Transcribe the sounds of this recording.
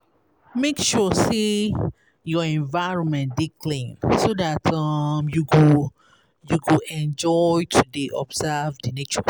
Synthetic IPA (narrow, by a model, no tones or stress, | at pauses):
mekʃɔse | jɔɛ̃nvaɪɹɔ̃nmɛ̃ndikʰlẽnsoðatʰʌmjuɡo | juɡoɛ̃nd͡ʒɔjtʰudeʔɔ̰bzɛvdənet͡ʃɔ